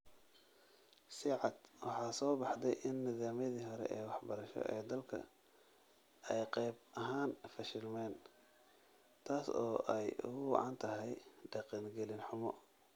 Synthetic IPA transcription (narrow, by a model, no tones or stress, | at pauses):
sɪʕɑd̪̥wɑħɑːsɔːbɑħd̪ɛjʔɪnːɪðaːmjɐðiːɦɔɾɛ̰ʔɛːwɑħbɐɾɐʃɔ̰ʔɛːd̪ɐlkʰɐ̰ | ɛjqɛjbɐɦaːnfɐʃɪlmɛːn | t̪ʰaːsɔːʔɛjʊ̰ɣʊwɑ̰ʕɑ̰nt̪ʰɐɦɛjɖɑqiːnɡɛlɪnħʊmɔ̰